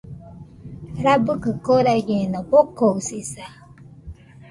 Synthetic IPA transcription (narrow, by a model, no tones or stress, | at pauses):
ɾabukɨkoɾaɡenɔbokosisa